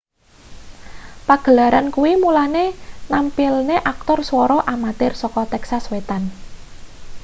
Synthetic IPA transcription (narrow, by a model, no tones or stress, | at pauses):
paɡ̥ə̤laɾʔankuwimulanenampilneʔak̚t̪ɔrswɔɾɔʔamat̪ɪrsɔkɔt̪ɛksaswet̪an